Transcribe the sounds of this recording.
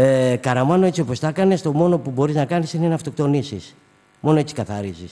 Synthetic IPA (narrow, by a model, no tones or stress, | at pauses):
ekɐɾɐmɐno̞e̞t͡sio̞po̞st̪ɐkɐnest̪o̞mo̞no̞pubo̞ɾiznɐkɐnisineneɐft̪o̞kt̪o̞nisis | mo̞noet͡si̥kɐθɐɾisis